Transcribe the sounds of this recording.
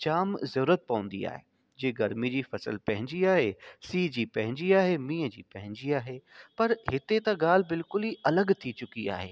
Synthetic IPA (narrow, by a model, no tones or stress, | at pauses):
t͡ɕaːmzɐɾuːɾət̪̚pɐʋə̃n̆d̪ḭa̰ːɦḛ | d͡ʑeːɡɐɾmid͡ʑiːfɐsə̰lpɐ̃ɦɪ̃ɲd͡ʑiaːɦesiːd͡ʑiːpɐ̃ɦɪ̃ɲd͡ʑiaːɦemĩːəd͡ʑiːpɐ̃ɦɪ̃ɲd͡ʑiaːɦepɐɾɦɪt̪et̪ɐ̃ɡaːl̤ɪbɪlkʊliʔɐləɡt̪ʰit͡ɕʊkia̰ːɦeː